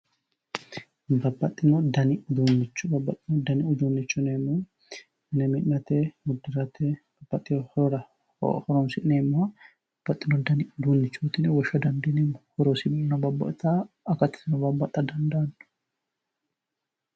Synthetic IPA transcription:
bɐbːɐt̪ʼːɪnɔd̪ɐnɪd̪uːnːɪt͡ʃːbɐbːɐt̪ʼːɪnɔd̪ɐnɪʊd͡ʒ̪uːnːɪt͡ʃːʊneːmːo | mɪnɛmɪʔnnɐt̪ɛmʊd̪ːɪɾɐt̪ɛb̥ɐbɐt̪ʼːɪjhɾɐ̰ | hɔɾɔnsɪneːmːo | bɐbːɐt̪ʼːɪnɔd̪ɐnɪd̪uːnːɪt͡ʃːuːt̪ɪnwɔʃɐd̪ɐnd̪ɪnemhɔɾɔsɪmɪnɐbɐbːɐ̰ʔt̪a | ɐkːɐt̪ːɪ̥sɪnɔbɐbːɐt̪ʼɐd̪ɐnd̪ɐɐnːʊ̥

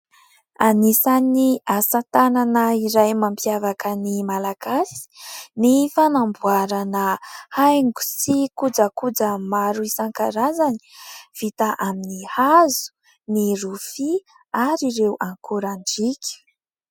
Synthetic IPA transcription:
anisaniasat̪ananaiɾajmampjavakənimalaɡasi̥nifanambuaɾanəhajŋɡu̥sikud͡zakud͡zəmaɾuisaŋkaɾazani̥v̥it̪aʔaminihazu̥ | nirufi | aɾiɾewʔaŋkuɾaɳɖ͡ʐikʲu̥

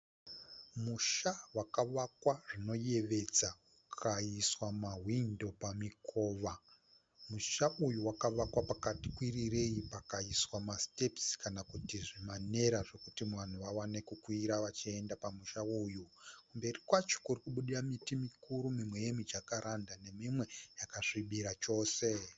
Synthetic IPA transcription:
muʃawakaʋakwaʐino̞je̞ʋe̞d͡zakukʰaiswamaɦwindo̞pamikʰo̞ːʋa | muʃaʔujuwakaʋakwapakati̥kwirire̞jipakaiswamastepskanakutiʐimane̞ɾaʐe̞kutimwan̤uʋawane̞kukwiɾaʋat͡ʃie̞ndapamuʃaujukumbe̞rikwat͡ʃo̥kurikuɓuɗiramitimikʰuɾumimwe̞jemid͡ʒakaɾʔandane̞mimwe̞jakaʂiɓiɾat͡ʃo̞ːse̞

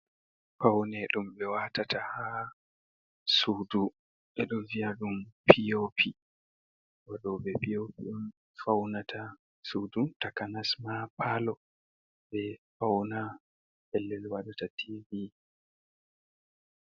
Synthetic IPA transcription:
fawnɛɗumɓɛwatataha | suːdu | ɓɛɗɔnvijaɗumpʰijopʰi | waɗɔɓɛpijopiɗum | fawnatʰa | sudutakanasmapʰalɔ | ɓɛfawna | hɛlːɛlwaɗatatʰivi

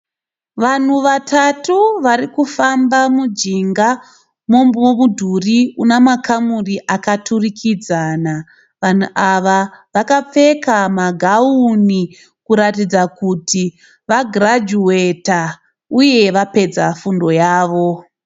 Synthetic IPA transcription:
ʋan̤uʋatatuʋaɾikufambamud͡ʒiŋɡa | mo̞momudʱuriunamakamuriʔakaturikʰid͡zaːna | ʋan̤uʔaʋaʋakap͡fe̞kamaɡʱauni | kuɾatid͡zakuti | ʋaɡrad͡ʒueta | uje̞ʋape̞d͡zafundo̞jaːʋo̞

